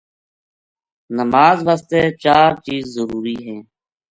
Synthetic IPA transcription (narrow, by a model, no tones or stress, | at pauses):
nəmaːzʋaːst̪eːt͡ʃaːɾt͡ʃiːzːəɾuːɾiːɦɛ̃ː